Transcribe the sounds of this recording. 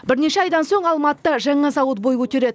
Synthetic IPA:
bɪɾne̞ʃeɑjd̪ɑnso̞ɴɑlˠmɑt̪ːəʒɑɴɑzɑwət̪̚bo̞jwɵt̪e̞ɾe̞d̪ɪ

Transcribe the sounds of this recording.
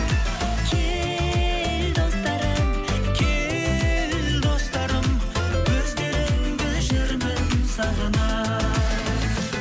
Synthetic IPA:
kʲʰe | ld̪o̞st̪ɑɾəm | kʲʰe | lld̪o̞st̪ɑɾəm | kʰɵzd̪e̞ɾɪŋbɪlʒɪɾbɪnsɑʁənɑ

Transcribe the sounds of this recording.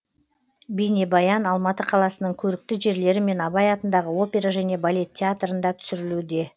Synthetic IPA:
bejnebɑjɑnɑlˠmɑt̪əqʰɑlˠɑsənəɴkʲʰɵɾɪk̚t̪ɪʒe̞ɾle̞ɾɪme̞nɑbɑjɑt̪ənd̪ɑʁəwo̞pʲe̞ɾaʒæne̞balʲe̞t̪ʰʲːeat̪rənd̪ɑt̪ʰʏ̥sɪɾɪlud̪e̞

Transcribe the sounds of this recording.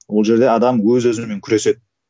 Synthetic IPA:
wo̞lˠʒe̞ɾd̪e̞ɑd̪ɑmwɵzwɵzɪme̞ŋkʲʰʏɾe̞se̞d̪̚

